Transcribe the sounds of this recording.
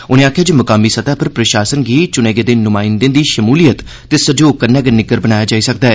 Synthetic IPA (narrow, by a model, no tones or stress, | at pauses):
ʊnẽːaːkʰjaːd͡ʒoːmʊkaːmːiːsət̪aːpʰəɾpɾəʃaːsənɡiːt͡ʃʊneːɡeːd̪eːnʊmãːɪnd̪ẽːd̪iːʃəmuːlijət̪ | t̪ːeːsəd͡ʒoːkəɾnɛ̃ːɡənɪɡəɾbənaːjaːd͡ʒaːisək̚d̪aːɛː